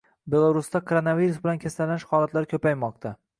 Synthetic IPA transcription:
be̞lˠaɾust̪akʰoɾonaviɾusbɪlankʰʲast̪alanɪʃhɒːlˠat̪ʰlaɾkʲʰɵpajmɒq̚t̪ʰa

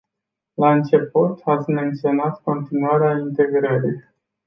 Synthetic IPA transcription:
laɨnt͡ʃe̞put̪at̪sʲme̞nt̪sio̞nat̪ko̞nt̪inuaɾeaint̪e̞ɡɾəɾij

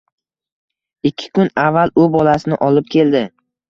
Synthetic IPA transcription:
ɪkʲʰːɪ̥kʊnavːalʊbɒlasɪnɪ̰ʔɒlɪp̚kʲe̞ld̪ɪ

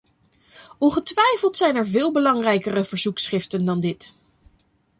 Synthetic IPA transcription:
ʔɔnχətʋɛjfəlˠtsɛjnɛɹvɪːlˠbəlɑŋrɛjkərəv̥əɹzuksχɪftəndɑndɪt

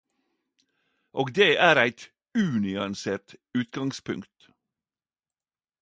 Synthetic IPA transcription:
ʔoːɡd̪eːʔæːɾæɪt̪ | ʉːnʏɑnseːɾʈʉːt̪ɡɑŋspʰʉ̰ŋkt̪

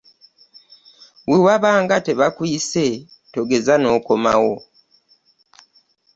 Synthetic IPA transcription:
wiwaβaːŋɡate̞βakwiːse̞ | to̞ɡe̞zano̞ːko̞ma̰wo

